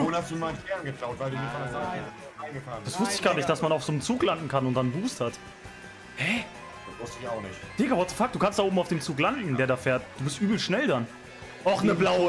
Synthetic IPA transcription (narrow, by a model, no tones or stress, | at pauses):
oːnhastd̥uːmaɪnkʰɛːnɡətʁ̥aʊtv̥aɪlduːmiɐfanəaa | aɪnɡəfaːnd̥asv̥ʊstəɪçɡ̥aːɐnɪçtd̥asmanaʊfz̥oːnnt͡suːklandn̩kʰanʊntd̥anbuːsthat | hɛ | d̥asv̥ʊstəɪçaʊxnɪ̰çtd̥ɪkəvɔɐtəfak̚d̥uːkʰanstd̥aoːbmaʊfd̥eːmt͡suːklandn̩deːɐɾaːfeːɐt̚d̥uːbɪstʔyːbl̩ʃnɛldan | ʔaxnəblaʊə